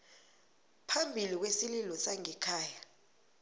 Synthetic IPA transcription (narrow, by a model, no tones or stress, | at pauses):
pʰambʱilik̬wesililɔsaŋɛkʰaːja